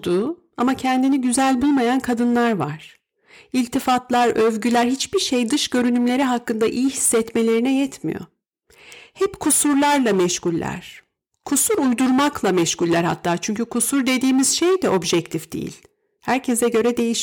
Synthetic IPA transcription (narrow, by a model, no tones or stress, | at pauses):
d̪u | amacʰɛnd̪iniɟyzælʲbulˠmajankʰad̪ɯnlˠaɾva̰ɾ̥ | ilʲt̪ʰifat̪lˠaɾøvɟylʲæɾhit͡ʃbiɾʃejd̪ɯʃɟø̞ɾynymlʲe̞ɾiɦakːɯnd̪aʔijiɦisːɛt̪me̞lʲe̞ɾinɛjɛt̪ʰmḭjo̞̰ | hɛpkʰusuɾlˠaɾlˠamɛʃhulʲːæ̰ɾ̥ | kʰusuɾujd̪uɾmaklˠamɛʃkulʲːæɾha̰t̪ʰːaːt͡ʃʰyɲcykʰusuɾd̪e̞d̪iːmiz̥ʃejd̪ɛʔo̞bʒɛc̚t̪ʰifd̪ḛjḭlʲ | hæɾcʰesɛɟø̞ɾɛd̪e̞jiʃ